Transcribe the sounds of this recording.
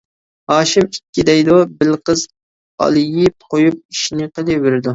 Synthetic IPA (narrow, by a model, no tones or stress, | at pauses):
hɑːʃɪmikʲːid̪ɛjd̪ubɪlqəz | ɑ̰lˠɪjɪp̚qʰojup̚iʃinɪqʰəlˠɨwɪɾɪd̪u